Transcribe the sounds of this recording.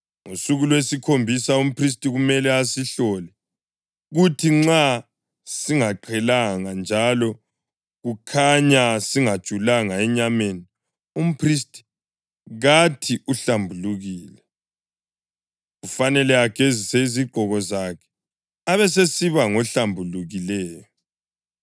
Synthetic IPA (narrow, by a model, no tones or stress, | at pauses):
ŋosuɣulwesikʰombʱisaum̩pʰris̬tʼiɣumɛlɛasiɬɔlɛ | ɣutʰiŋ͡ǁa | siŋaǃʰɛlaŋand͡ʒʱalɔ | ɣukʰaɲasiŋad̥ʒ̥ʱulaŋaɛɲameni | um̩pʰristʰʼi̥ | ɣatʰiʔuɬambʱuluɣiːlɛ | ɣufanɛlɛaɡ̥ʱeziseiziɡ͡ǃʱɔɣɔzakʰɛ̥ | aβɛs̬esiβaŋɔɬambʱuluɣilɛːjɔ